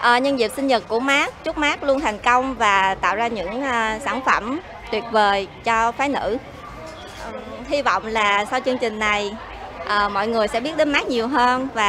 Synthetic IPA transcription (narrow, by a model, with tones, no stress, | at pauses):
ʔəː˨˩ɲə˧nzi˨˩p̚sï˧ŋ̟ɲə˨˩t̚kːu˧˩əmaː˦˥k̚t͡ɕu˦˥t̚maː˦˥k̚lu˧ənt̪ʰa˨˩jŋ̟kə˧wŋ͡mvaː˨˩t̪a̰ː˧˨wzaː˧ɲɨ̰˧˥ŋʔːsaː˧˩nfə˧˩m | t̪wi˨˩ət̚vəː˨˩jt͡ɕɔ˧faː˨˦jnɨ̰˧˥ | ʔə˨˩hi˧vɔ̰˧˨wŋ͡mlaː˨˩sa˧wt͡ɕɨ˧əŋt͡ɕï˨˩ŋ̟na˨˩j | ʔəː˨˩mɔ̰˧˨jŋɨ˨˩əjsɛ̰˧˥ɓi˦˥ət̚ɗe˨˦nmaː˦˥k̚ɲi˨˩əwɦəː˧nvaː˨˩